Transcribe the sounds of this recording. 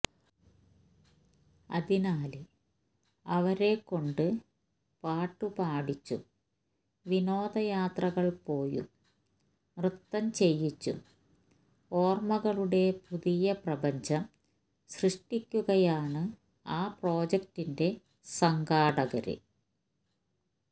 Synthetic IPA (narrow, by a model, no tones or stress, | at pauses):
ɐ̰ðinaːlɨ | ɐʋɐɾe̞kːo̞ɳɖɨ | paːʈːupaːɽit͡ɕːṵ | ʋino̞ːd̪ɐjaːt̪rɐɣɐɭpo̞ːjṵ | mrɨt̪ːɐmt͡ɕe̞jːit͡ɕːṵ | o̞ːrmɐɣɐɭuɽe̞puðijɐprɐbɐɲd͡ʑɐm | ɕrɨʂʈikʲːuɣɐjaːɳɨ | aːpro̞ːd͡ʑek̚tinde̞ | sɐŋɡaːɽɐɣɐɾɨ̰